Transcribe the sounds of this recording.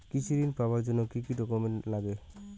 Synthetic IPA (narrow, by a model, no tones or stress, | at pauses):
kit͡ʃʰiɾinpabaɾd͡ʒɔnɔkikiɖɔkɔmɛnlaɡɛ